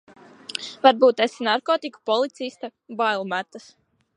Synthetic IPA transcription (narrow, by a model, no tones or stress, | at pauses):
vaɾbuːt̪ɛsinaɾkɔːt̪iku̥pɔlˠit̪sist̪abajlˠmæt̪ːas